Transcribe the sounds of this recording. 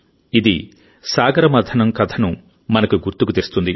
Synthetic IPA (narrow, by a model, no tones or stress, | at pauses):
id̪i | saːɡɐɾɐmɐd̪ʰʱɐnɐmkɐt̪ʰɐnu | mɐnɐkuɡuɾt̪ukut̪eɾst̪und̪i